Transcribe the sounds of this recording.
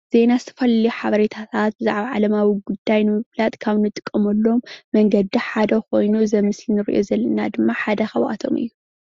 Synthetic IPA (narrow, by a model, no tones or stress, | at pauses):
z̥e̞nazɨt̪ʰɐfɐlɐliħaβɐɾet̪ʰat̪ʰat̪̚bɨza̰ʕβaʕalɐmawiɡud̪ːajnɨmɨβlat̪ʼkʰaβnɨt̪ʼɨ̥kʼːɐmɐlːo̞mːɐŋɡɐd̪ːiħad̪ɐko̞jnuzɐmɨslinɨɾḭʔo̞zɐlːɐnad̪ɨmːaħad̪ɐxɐβʔa̰t̪ʰo̞̰mɨ̰jːu